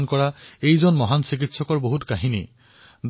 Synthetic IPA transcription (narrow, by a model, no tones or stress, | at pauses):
nkɔɹaejzɔnmɔɦansik̬itsɔkɔɹboɦutkaɦini | d̪